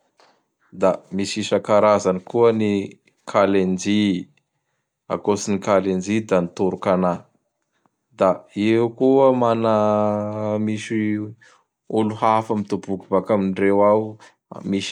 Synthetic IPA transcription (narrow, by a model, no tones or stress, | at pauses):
d̪amisisakaɾazanikuəni | kʰalend͡ʒi | a̰kosinikalend͡ʒid̪anit̪uɾukana | d̪aewkuəmanə | misi | uluhafamit̪ubukubakaminrewaw̰ | mis